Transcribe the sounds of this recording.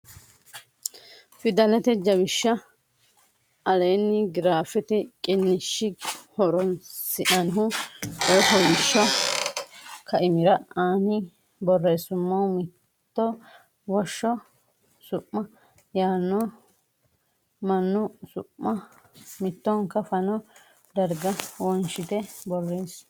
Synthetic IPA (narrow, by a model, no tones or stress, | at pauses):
fɪd̪ɐlɛt̪ɛd͡ʒɐβɪʃːɐ | ɐlejnːɪɡɪɾaːfɪt̪ɪkʼɪnːɪʃːɪhɔɾɔnsɪʔɐnɦʊɛɦɔbɪʃːɔ | kɐʔɪmɪɾɐaːnɪ | bɔrːeːsʊmːɔmɪ | t̪ːɔ | wɔʃːɔ | sʊʔːɐ | jaːnːɔ | mɐnːʊsʊ̰ʔːɐ | mɪt̪ːɔŋkːɐfɐnɔ | d̪ɐɾɡɐwɔnʃɪt̪ɛbɔrːes